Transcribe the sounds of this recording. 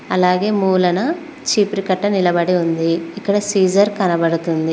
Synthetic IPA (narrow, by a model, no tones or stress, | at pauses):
ɐlaːɡe̞ːmuːlɐnɐ | t͡ʃiːpɾikɐʈːɐnilɐbɐɽiund̪iːkːɐɽɐsiːd͡ʒɐɾkɐnɐbɐɽut̪und̪i